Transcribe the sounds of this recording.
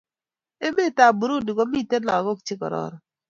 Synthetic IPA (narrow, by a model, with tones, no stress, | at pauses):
e˦me˦˨ta˨bu˨ɾu˦di˨ɡo˨˦mi˦˨te˦la˨ɡo˦kt͡ʃɪ˦kɔ̰˨ɾɔ̰˨ɾɔ˨